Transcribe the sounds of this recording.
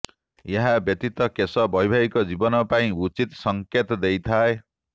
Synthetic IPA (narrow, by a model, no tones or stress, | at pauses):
jaɦabjʌt̪it̪ʌkesʌbʱʌjbʱaikod͡zibʌnʌpaĩut͡sit̪sʌŋket̪d̪ejt̪ʰae